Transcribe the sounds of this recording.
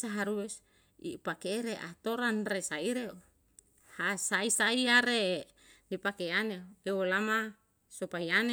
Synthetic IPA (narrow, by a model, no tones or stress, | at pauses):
saɦaɾues | ḭpakeɾeʔa̰t̪oɾanresaiɾeo | hasaisaiaɾe | nipakeaneewolama | sopaiane